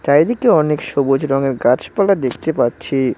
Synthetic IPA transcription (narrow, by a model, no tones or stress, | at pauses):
t̪ajd̪ikeɔnekʃobod͡ʑɾɔŋeɾɡat͡ɕpalad̪ekʰt̪epaɾɕʰi